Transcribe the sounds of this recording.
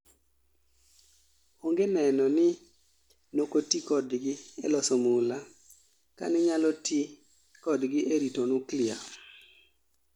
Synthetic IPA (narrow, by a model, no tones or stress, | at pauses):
oŋɡenɛnɔnɪ | nokotikɔdɡɪɛlɔsɔmula | ka̰nɪɲalɔti | kɔdɡɪʔeɾitonuklɪa̰